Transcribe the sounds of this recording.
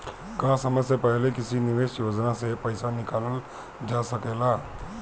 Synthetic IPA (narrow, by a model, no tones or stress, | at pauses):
kasəməsepəɦlekɪsinɪʋeʃjod͡ʒnasepəɪsanɪkaləl | d͡ʒasəkela